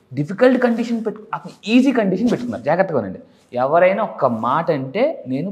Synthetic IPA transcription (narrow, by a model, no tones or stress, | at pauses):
ɖipikɐlʈkɐɳɖiʂɐnpeʈɐt̪ːɐniiːsiːkɐɳɖiʂ̬ɐnpeʈuk̪unːa̰ːɾd͡ʒaːɡɐt̪ːɐkɐʋɐnːɐ̰ɳɖe | ɛʋɐɾɐjnaːɔkːɐmaːʈɐɳʈe̞ːne̞ːnu